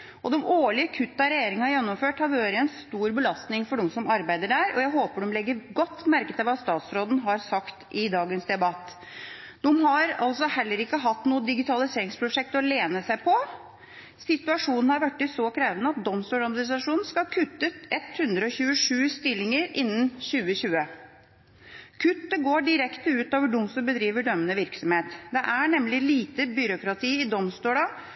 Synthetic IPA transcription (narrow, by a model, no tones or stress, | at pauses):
ʔɔd̪ɛmoːɭɪəkʰʉt̪ːɑɾɛjeːɾɪŋhɑjɛnːɔmføːʈhɑɾʋøːɾəɛnst̪uːɾbəlɑst̪nɪŋfɔɖɔmsɔmɑɾbæɪd̪əɖæːɾʔɔjæɪɦoːpəɖɔmlɛɡːəɾɡɔt̪ːmæɾkət̪ɛlʋɑst̪ɑːt̪sɾoːd̪n̩ɦɑɾsɑkt̪ɪd̪ɑːɡənsd̪ɛbɑt̪ː | d̪ɛmɦɑɾɑ̰lsɔhɛlːəɾɪkːəɦɑt̪ːnuːəd̪ɪɡɪt̪ʰɑlɪseːɾɪŋspʰɾʊʂɛk̚t̪ɔleːnəsæɪpʰɔ | sɪt̪ʉɑʂuːnn̩hɑɾʋæʈːɪsɔkʰɾeːʋənəɑt̪̚d̪ɔmst̪uːɽɑɾmnɪsɑʂuːnn̩skɑkʰʉt̪ːət̪ɛt̪hʉnd̪ɾəɔçʉːəʂʉːst̪ɪlːɪŋəɾɪnːənɕʉːəɕʉːə | kʰʉt̪ːəɡoːɖɪɾɛkt̪əʉːt̪oːʋəɖʊmst̪əbəd̪ɾiːʋəɖœmːənəʋɪɾksɔmheːt̪d̪ɛʔæɳɛmlɪliːt̪əbʏɾʊkɾɑt̪ʰiːɪd̪ɔmst̪uːɖɑ